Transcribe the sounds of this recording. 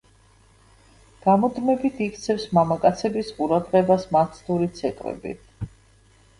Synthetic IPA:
ɡ̥amɔd̪mɛbit̪ʰikʰt̪sʰɛfsmamakʼat̪sʰɛbisqʼuɾad̪ʁɛbasmat̪sʰt̪uɾit̪sʰɛt̪ʼvɛ̰bḭt̪ʰ

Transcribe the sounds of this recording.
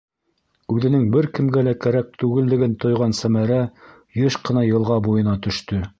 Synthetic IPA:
ʉðɘ̆nɘŋbɘɾkɘ̆mɡælækæɾæk̚t̪ʉɡɘ̆ld̪ɘ̆ɡɘnt̪ŏjʁɑnsæmæɾæ | jɤʃqɤ̆nɑjɤ̆lˠʁɑbujɤ̆nɑt̪ɵ̆ʃt̪ɵ

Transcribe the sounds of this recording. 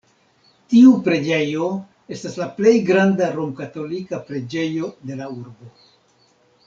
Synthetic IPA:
tiupɾe̞d͡ʒe̞jo̞ | e̞staslaple̞jɡɾandaɾomkato̞likapɾe̞d͡ʒe̞jo̞de̞lauɾbo̞

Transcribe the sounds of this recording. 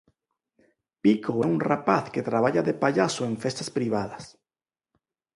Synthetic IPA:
pikoɛunrapaθket̪ɾaβ̞aʎaðepaʎasoẽɱfest̪aspɾiβ̞aðɐs

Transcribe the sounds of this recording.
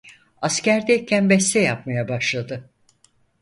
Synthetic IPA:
ascæɾd̪ɛjcʰænbɛst̪ʰɛjapmajabaʃlˠad̪ɯ

